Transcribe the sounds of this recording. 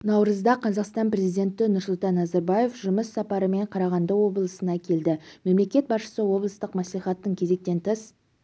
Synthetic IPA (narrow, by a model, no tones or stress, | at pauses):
nɑwɾəzd̪ɑqʰɑzɑqst̪ɑnpre̞zijd̪ʲe̞nt̪ɪnʊɾsʊlˠt̪ɑnːɑzaɾbaje̞fʒʊməsːɑpɑɾəme̞ɴqʰɑɾɑʁɑnd̪əwo̞blˠəsənɑkʲʰe̞ld̪ɪme̞mle̞kʲe̞t̪̚bɑsʃə̥səwo̞blˠəst̪əqmæsliχɑt̪ːəɴkʲʰe̞ze̞k̚t̪e̞nt̪ʰəs